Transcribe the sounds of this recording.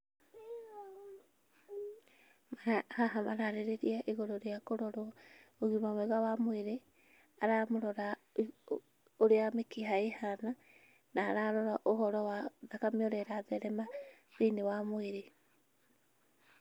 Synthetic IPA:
maahaɦamaɾaɾeɾeɾiaʔiɣɔɾɔɾeakoɾɔɾooɣimamɛɣawamoeɾe | aɾamoɾɔɾa | oɾeamekiɦaehana | naːɾaɾɔɾaʔohɔɾɔwaðakameoɾɛɾaðɛɾɛma | ðinewamoeɾe

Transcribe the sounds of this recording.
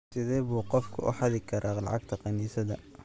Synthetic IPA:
sɪðɛːβuːqɔfkʰʊ̰ʔʊ̰ħɑðɪkʰɐɾʔaːlɑ̰ʕɑɡ̚t̪ʰɐqɑniːsɐðɐ

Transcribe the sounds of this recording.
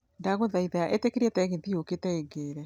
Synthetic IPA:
ndaɣoðaiðaaʔetekeɾiɛtɛɣeðioketɛeɡeːɾɛ

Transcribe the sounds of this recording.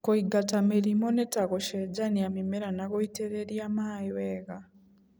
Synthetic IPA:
kɔiɡatamiɾimɔnɛtakɔʃɛd͡ʒaniamimɛɾanakɔitɛɾeɾiamaiwɛːka

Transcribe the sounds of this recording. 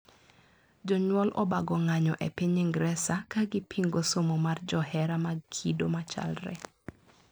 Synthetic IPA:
d͡ʒɔɲwɔlʔɔ̰baɡɔŋaɲɔʔepiɲɪŋɡɾɛsakaɡɪpʰiŋɡosomomard͡ʒɔhɛɾamakʰido̰mat͡ʃa̰lrɛ̰

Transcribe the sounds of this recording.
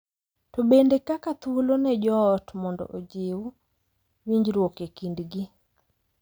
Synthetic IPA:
tɔbendekakat̪wolonɛd͡ʒɔːtmɔndɔ̰ʔod͡ʒew | wiɲd͡ʒɾwokekindɡi

